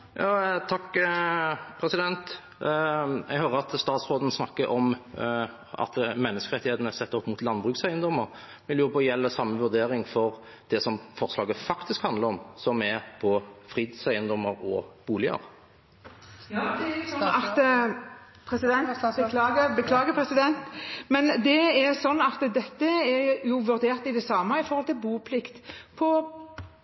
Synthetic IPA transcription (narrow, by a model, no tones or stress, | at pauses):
jɑːt̪ʰɑkː | pʰɾɛsɪd̪ɛnt̪ | ɛɡhøːɾəɑt̪st̪ɑːt̪sʁoːd̪n̩snɑkːəɾʔɔm | ɑ̰t̪mɛnːəskəɾʁɛt̪ːɪheːt̪ənəsɛt̪ːəɾɔpːmut̪lɑnbʁʉːksæɪənd̪ɔmːəɾ | ʋɪljʊːɾpʰɔjɛlːəsɑmːəʋʉd̪eːɾɪŋfɔɾ | d̪̥ɛsɔmfɔʁslɑːɡəfɑkt̪ɪskhɑnd̪ləʁɔmsɔmɛpʰɔfʁiːd̪sæɪənd̪ɔməɾɔb̥uːlɪə̰ɾ | d̪ɛsɔnːɑt̪ | pʰɾɛsɪd̪ɛnʰlɑːɡəbəkʰlɑːɡəpʰɾɛsɪd̪ɛnt̪mɛnd̪ɛɛɾsɔnːɑt̪d̪ɛt̪ːəɛjʊʋʉɾd̪eːɾt̪ɪd̪ɛsɑːməɪfɔɾhɔlt̪ʰɪlbuːpʰlɪkt̪pʰɔ